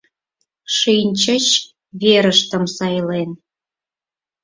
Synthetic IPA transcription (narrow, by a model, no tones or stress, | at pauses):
ʃinʲt͡ɕət͡ɕ | βeɾəʃt̪əmsɑjlen